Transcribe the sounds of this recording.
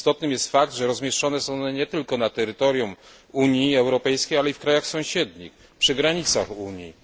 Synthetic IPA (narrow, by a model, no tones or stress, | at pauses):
st̪ɔt̪nɘmjɛst̪fakd̪ʐɛɾɔzmʲjɛʂt͡ʂɔnɛsɔ̃wnɲɛt̪ɘlkɔnat̪ɛɾɘt̪ɔɾjum | uɲjiɛwɾɔpɛjskʲejalɛifkɾajaxsɔ̃w̃ɕɛd̪ɲḭx | pʂɘɡɾaɲit̪saxuɲjḭ